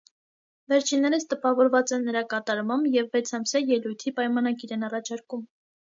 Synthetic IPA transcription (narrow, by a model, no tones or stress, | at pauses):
vɛɾt͡ʃʰinːɛɾəst̪əpɑvɔɾvɑt͡sɛnːəɾɑkɑt̪ɑɾmɑmbjɛvːɛt͡sʰɑmsjɑjɛlujt̪ʰipɑjmɑnɑɡiɾɛnɑrɑt͡ʃʰɑɾkum